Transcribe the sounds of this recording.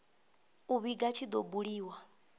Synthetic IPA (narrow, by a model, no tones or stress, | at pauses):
uβiɡat͡ʃʰid̪ɔbuɺiːwa